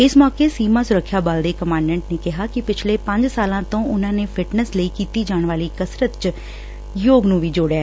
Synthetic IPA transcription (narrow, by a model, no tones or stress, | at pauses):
ɪsmɔːkeːsiːmãːsʊɾəkʰːjaːbaːld̪eːkəmãːɳɖɛ̃ːɳʈneːkɪɦaːkɪpɪt͡ʃʰleːpə̃ɲd͡ʒsaːlãːt̪õːʔʊnãːneːpʰɪʈnəsləiːkiːt̪iːd͡ʒaːɳ̃ʋaːliːkəsɾət̪t͡ʃ | joːɡnũːʋiːd͡ʒoːɽjaːɛ